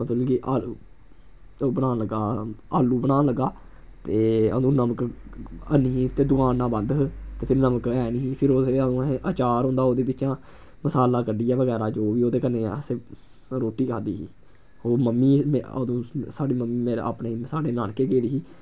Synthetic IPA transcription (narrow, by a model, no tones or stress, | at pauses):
ət̪ulɡiːʔaːl | oːbənaːnləɡaːaːlːuːbənaːnləɡːaː | t̪eːə̰d̪ũːnəməkəniːt̪eːd̪ʊkaːnːãːbə̃nd̪t̪eːpʰɪɾnəməkɛːniːiːpʰɪɾoːeəd̪ũːeʔət͡ʃaːɾɦõːnd̪aːoːd̪eːbɪt͡ʃãː | məsaːlaːkəɖiːɛːʋəɡɛːɾaːd͡ʒoːʋiːoːd̪eːkəneːəseː | ɾoːʈiːkʰaːd̪iːɦḭː | oːməmːiːə̰d̪ũːsaːɖiːməmːiːmeːɾa̰ːpɳeːisaːɖeːnaːnkeːkeːɾiːiː